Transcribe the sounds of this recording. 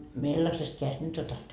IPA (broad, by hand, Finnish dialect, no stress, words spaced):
milːɑsest keæjest nyt otɑt